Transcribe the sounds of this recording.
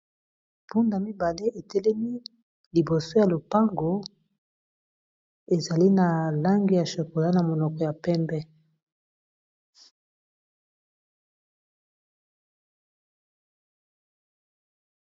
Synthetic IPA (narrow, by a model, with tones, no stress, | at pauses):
pu˦nda˨mi˦ba˨le˦ʔe˨tɛ˦lɛ˦mi˦ | li˨bo˨so˦ja˨lo˨pa˦ŋɡo˨˦ | e˨za˨li˦na˨la˦ŋɡi˨ja˨ʃo˨ko˨la˦na˨mo˨nɔ˨kɔ˨ja˨pɛ˦mbɛ˦